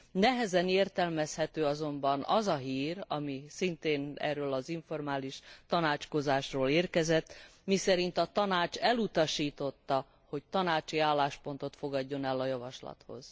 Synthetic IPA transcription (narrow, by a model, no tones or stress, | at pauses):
nɛɦɛzɛneːrt̪ɛlmɛshɛt̪øːɒzo̞mbɒnɒzɒɦiːɾɒ̰misint̪eːnɛ̰rːøːlɒziɱfo̞rmaːliʃt̪ɒnaːt͡ʃko̞zaːʃroːleːrkɛzɛt̪ːmisɛɾint̪ɒt̪ɒnaːt͡ʃɛlut̪ɒʃiːt̪o̞t̪ːɒ | ho̞ct̪ɒnaːt͡ʃiaːlːaːʃpo̞nt̪o̞t̪fo̞ɡɒɟːo̞nɛlːɒjɒvɒʃlɒ̰t̪ho̞̰z̥